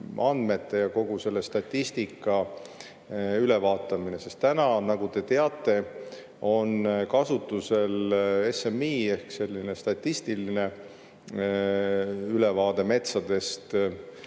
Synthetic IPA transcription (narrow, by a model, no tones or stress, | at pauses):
ʔɑnd̪me̞t̪ːe̞jɑko̞ɡ̥use̞lːest̪ɑt̪ʲːist̪ikːˑɑ | ylevɑːt̪ːˑɑmine̞se̞st̪t̪ːænɑnɑɡut̪e̞t̪e̞ɑt̪ːˑe̞ | o̞nkɑsut̪ːˑuse̞le̞semːiːe̞hkse̞lʲːine̞st̪ɑt̪ʲːist̪iline̞ | yle̞vɑːd̪̥e̞me̞t̪sɑd̪̥e̞st̪